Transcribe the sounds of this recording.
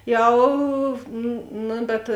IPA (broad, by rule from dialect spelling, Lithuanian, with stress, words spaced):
ˈjɛʊ ˈnʊ bʲɛt